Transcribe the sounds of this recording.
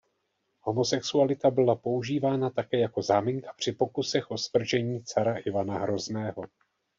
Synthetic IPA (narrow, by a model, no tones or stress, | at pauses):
ho̞mo̞sɛksualɪt̪abɪlapo̞uʒiːvaːnat̪akɛːjako̞zaːmiŋkḁpr̥ɪpo̞kusɛxʔo̞svr̩ʒɛɲiːt͡saɾaʔɪvanaɦɾo̞znɛːɦo̞